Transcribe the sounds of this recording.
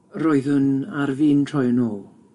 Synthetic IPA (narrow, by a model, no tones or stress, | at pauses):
roːɨðənarviːntʰrɔjnoːlˠ